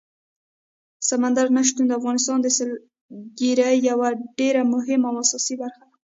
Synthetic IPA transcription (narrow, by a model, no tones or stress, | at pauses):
samand̪aɾnaʃ̬t̪und̪əafɣɑnɪst̪ɑnd̪əsəl | ɡiɾajawaɖeɾamʊɦɪmawasɑsibaɾxad̪a